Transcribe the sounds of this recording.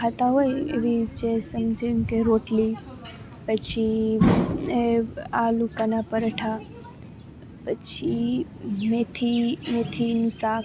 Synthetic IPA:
kat̪aɦojḛʋid͡ʒesəmd͡ʒʱemkeɾoʈli | pət͡ʃʰi | alukanapəɾəʈʰa | pət͡ʃʰi | met̪ʰimet̪ʰinũsa

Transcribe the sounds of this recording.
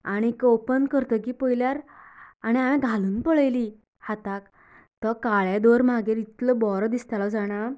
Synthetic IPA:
aɽ̃ikopənkəɾt̪əkiːpəjljaɾaɽ̃iamɛ̃ɡʱaluːnpəɭəjli | hat̪ak | t̪ɔkaɭjad̪oɾmaɡeɾit̪ləbɔɾd̪ist̪alɔd͡zaɽ̃a

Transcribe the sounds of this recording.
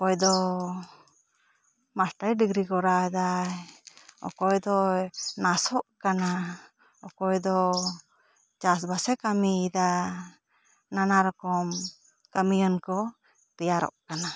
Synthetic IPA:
ɔkɔjd̪ɔ | masʈajɖiɡɾikɔɾad̪ajɔ̰kɔjd̪ɔnasɔʔkana | ɔkɔjd̪ɔ | t͡ʃas̬basɛkamiid̪a | nanaɾɔkɔm | kamijənkɔ | t̪ɛjaɾɔ̰ʔkana

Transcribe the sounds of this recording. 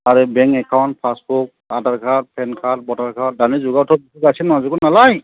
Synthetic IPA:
aɹɛbɛŋkɛkʰawnt̚pʰasbuk | adaɹkʰat̚pʰɛnkʰat̚bɔtaɹkʰat̚danizʊɡatʰɔbisikasinazuɡɔnalaj

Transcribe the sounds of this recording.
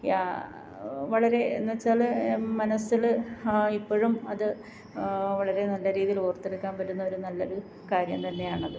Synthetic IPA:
ja̰ː | ʋɐɭɐɾe̞ḛnːiʋɐt͡ɕːaːɭmɐnɐsiɭipːoːɻumɐðɨ | ʋɐɭɐɾe̞nɐlːɐɾiːðijiloːrt̪ːeɽukːaːnpɐɾunːɐʋɐɾunːɐlːo̰ɾu | kaːɾjɐmt̪ɐnːe̞jaːɳɐðɨ

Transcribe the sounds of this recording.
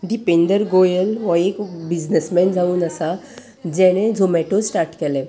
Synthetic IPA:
ɖipẽɳɖəɾɡojəlʋəekbid͡ʑnəsmɛnd͡zʱauːnəsa | d͡ʑɛ̃ɽ̃ẽd͡zʱomɛʈosʈaɾʈkɛlɛ̃

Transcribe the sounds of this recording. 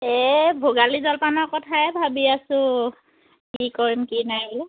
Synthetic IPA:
ɛbʱuɡalizɔlpanɔɹkɔtʰaɛbʱabiasʊ̃ | kikɔɹimkinaɦ

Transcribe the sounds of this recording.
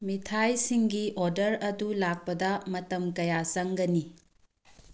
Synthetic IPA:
mitʰajsiŋɡioɾdɐɾɐdulak̚pɐdɐmɐtɐmkɐjasɐŋɡɐni

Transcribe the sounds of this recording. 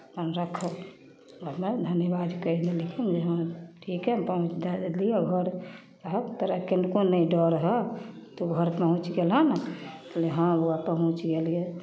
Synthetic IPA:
pənɾəkʰə | əmed̪ʱənjəβad̪kəlelekind͡ʒeɦə̃ʈʰikɦɛpəɦũt͡ʃd̪alijɛɡʱəɾ | ɦəkt̪əɾakenkonəɖɔɾɦɛ | t̪ɔɡʱəɾpəɦũt͡ʃɡelɦənt̪əleɦə̃oapəɦũt͡ʃɡelije

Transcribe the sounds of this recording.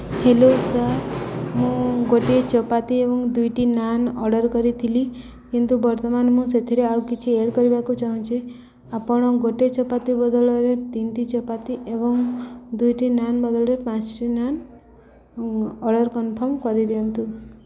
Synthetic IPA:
helosamũɡoʈet͡ʃɔpat̪iebɔŋd̪ujʈinanɔ̰ɽɔɾkɔɾit̪ʰili | kint̪ubɔɾt̪ɔmanmũset̪ʰiɾeawkit͡ʃʰieɽkɔɾibakut͡ʃaɦũt͡ʃʰi | apɔɽ̃ɔɡoʈet͡ʃɔpat̪ibɔd̪ɔɭɔɾet̪inʈ̪it͡ʃɔpat̪iʔebɔŋd̪ujʈinanbɔd̪ɔɭɔɾepãt͡ʃʈinan | ɔɽɔɾkɔnpʰɔɾmkɔɾid̪iɔnt̪u

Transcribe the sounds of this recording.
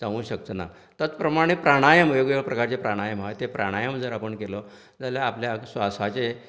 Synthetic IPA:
d͡zãŋũːɕək̚t̪əna̰ | t̪ət͡spɾəmaɽ̃epɾaɽ̃ajəmujoɡepɾəkaɾt͡sepɾaɽ̃ajəmɦajt̪epɾaɽ̃ajəmd͡zəɾapəɳkelɔ | d͡zaljaːpljasʋasat͡se

